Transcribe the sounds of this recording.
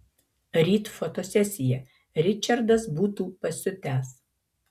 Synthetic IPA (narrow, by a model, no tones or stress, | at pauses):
ɾʲiːt̪fɔt̪oːsʲɛsʲɪjɛ | ɾʲɪt͡ʃʲɐɾd̪ɐsbuːt̪uːpɐsʲʊt̪ʲæːs